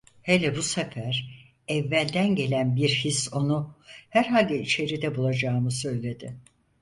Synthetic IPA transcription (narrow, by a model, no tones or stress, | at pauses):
helʲɛbusefæɾ | ɛvːælʲd̪ænɟe̞lʲænbiɾhiso̞nuhæɾɦalʲd̪ɛit͡ʃʰe̞ɾid̪ɛbulˠad͡ʒaːmɯsø̞jlʲe̞d̪ɪ